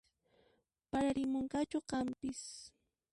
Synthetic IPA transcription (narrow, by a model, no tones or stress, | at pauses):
paɾaɾɪmoɴkat͡ʃʊqɑmpɪs